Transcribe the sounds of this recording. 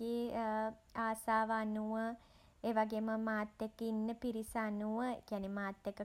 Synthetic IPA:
eː | aːsaːʋəanuʋə | eːʋaɡeːməmaːt̪ːekːinːəpiɾisəanuʋəḛkjanemaːt̪ːekːə

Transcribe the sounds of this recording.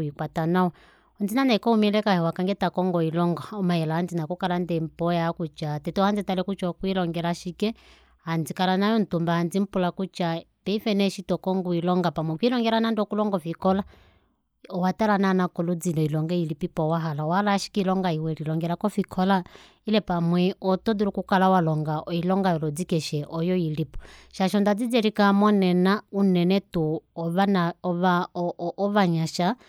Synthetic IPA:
ikwatanaɔ | ɔnd͡zinanaikɔhumɛlɛkahɛwakaŋɡɛtakɔŋɡɔilɔŋɡaɔmajɛlaand͡zinakɔkalandɛm̩pɔjaakut͡ʃatɛtɔhand͡zitalɛkut͡ʃɔkuilɔŋɡɛlaʃikɛ | hand͡zikalanajɔn̩tumbahand͡zim̩pulakut͡ʃa | pɛifɛnɛʃitɔkɔŋɡuilɔŋɡapamwɛkuilɔŋɡɛlanandɔkulɔŋɡɔfikɔla | ɔwatalananakɔlud͡zilɔilɔŋɡɛilipipɔwaɦalawalaʃi̥kilɔŋɡaiwɛlilɔŋɡɛɾakɔfikʰɔla | ilɛpamwɛɔtɔduɾukukalawalɔŋɡaɔilɔŋɡajɔlɔd͡zikɛʃɛʔɔjɔilipɔ̥ʃaʃɔndad͡zid͡zɛɾikamɔnɛnaunɛnɛtuɔβanaɔβaɔβaɲaʃa

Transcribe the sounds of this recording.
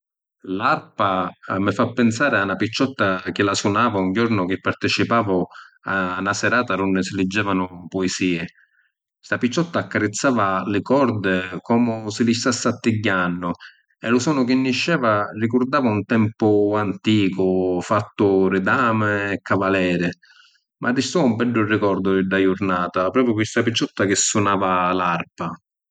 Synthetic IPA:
larpamɪfapːɪnsaːɾɪanapit͡ʃːɔt̪ːak̟ɪlasʊnaːvauɲd͡ʒɔɾnʊk̟ɪpːart̪ɪt͡ʃipaːvʊ | anasɛɾaːt̪aɾunːɪsɪlɪd͡ʒːɛːvanʊpʊɪsiːɪ | st̪apit͡ʃːɔt̪ːaːkːaɾɪt̪sːaːvalɪkɔɾd̪ɪkɔːmʊsɪlɪʃt̪asːat̪ːɪɟːanːʊ | ɛlʊsɔːnʊk̟ɪnːiʃːɛːvarikʊɾd̪aːvaunt̪ɛmpʊant̪iːkʊfat̪ːʊɾɪd̪aːmɪːkːavalɛːɾɪ | mʔad̪ːist̪uvaumbɛɖːʊrɪkɔɾd̪ʊɪɖːajʊɾnaːt̪apɾɔːpjʊkwɪst̪apit͡ʃːɔt̪ːakɪsːʊnaːvalaɾpa

